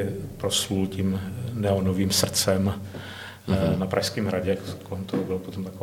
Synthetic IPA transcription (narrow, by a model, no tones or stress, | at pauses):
ɪpɾoslulcimnɛonoviːmsr̩t͡sɛm | napɾʔaʃskɛːmɦɾaɟɛakkolɛmt̪oɦobɪlpot̪omt̪ako